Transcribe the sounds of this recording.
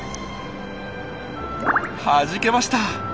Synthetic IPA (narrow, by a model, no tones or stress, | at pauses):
haʑike̞maɕi̥t̪a